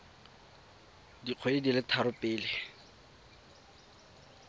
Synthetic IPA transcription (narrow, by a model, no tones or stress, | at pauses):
diq͡χʰeedilɪtʰaɾʊpʼɪːlɪ